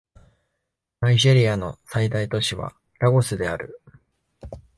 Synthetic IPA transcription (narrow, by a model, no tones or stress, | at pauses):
naiʑe̞ɾʲijano̞said̪ait̪o̞ɕiβa̰ | ɾaɡo̞sɨd̪e̞aɾɯ̟